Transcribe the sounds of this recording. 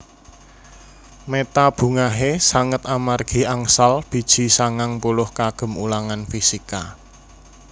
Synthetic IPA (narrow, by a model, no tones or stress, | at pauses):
met̪ab̥ṳŋaɦesaŋət̪̚amarɡ̥i̤aŋsalb̥i̤d̥ʒ̥i̤saŋaŋpulʊhkaɡ̥ə̤mṵlaŋanfisika̰